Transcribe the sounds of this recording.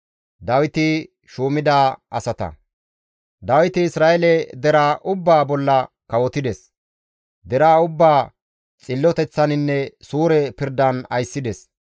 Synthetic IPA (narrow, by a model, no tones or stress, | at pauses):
d̪ɐwɪt̪ɪ | ʃuːmɪd̪aːʔɐsɐt̪ɐ̰ | d̪ɐwɪt̪ɪɪsɾaːjɛlɛd̪ɛɾaːʔʊbːaːbɔlːɐ | kɐwɔt̪ɪd̪ɛs | d̪ɛɾaːʊbːaː | t͡sʼɪlːɔt̪ɛt͡sːɐnɪnːɛsuːɾɛpɪɾd̪ɐnɐjsːɪd̪ɛs